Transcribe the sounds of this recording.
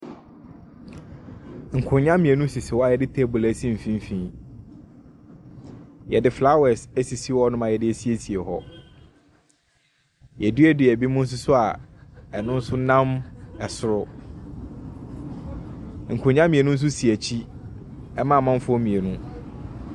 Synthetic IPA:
ŋ̩˨kʰʊ̃˨ɲã˦mĩ˨e˨nũ˦si˨sɪ˨wɔ˦a˦˨jɛ˨dɪ˦tʰe˦˨bu˨læ˦sĩ˦m̩˨fĩ˦m̩˦fĩ˦ | jɛ˨dɪ˦fla˦wɛ˨sæ˦si˨si˦wɔ˦nʊ̃˦mã˨jɛ˨dɪ˦æ˨si˦e˦si˨e˨hɔ̰˦ | jɛ˨du˦ɛ˦dɪ˨æ˨bi˦mʊ̃˦n̩˦s̬ʊ˦sʊ˦a˨ɛ˨nʊ̃˦n̩˦sʊ˦nã˦mɛ˨sʊ˨ɾʊ˦ | ŋ̩˨kʰʊ̃˨ɲã˦mĩ˨e˨nũ˦n̩˦s̬ʊ˦si˨æ˨t͡ɕʰi˦ | ɛ˦mã˦˨mã˦m˦fɔ˦mĩ˨e˨nũ˦

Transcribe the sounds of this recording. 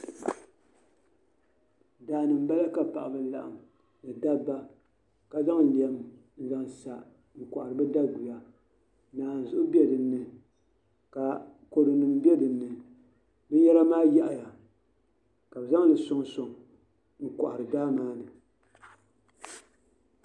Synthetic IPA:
daː˨nɨ˨m̩˦ba˦la˦ka˨pa˨ʔa˨bɨ˨la̰˨ʔa̰˨m | nɨ˨da˦ba˦ | ka˦za˦ŋ˨li˨ɛ˨m˦ | za˨ŋsa˨ | ŋ̩˨kɔ˨ʔa˨ɾɨ˨bɛ˦da˦ɡu˨ja˦ | naː˨n̩˨zʊ˦ʔʊ˦bi˦ɛ˦dɨ˨nːɨ˨ | ka˨ | ko˨dɨ˨nɨ˨m˦bɛ˦dɨ˨nːɨ˨ | nɨ˦jɛ˦la˦maː˦jɛ˦ʔa˨ja˨ | ka˨bza˦ŋ˦lɨ˨sʊ˦ŋso˨ŋ | ŋ̩˦˨kɔ̰˨ʔa˨ɾɨ˨da˦hmaː˦nɨ˨

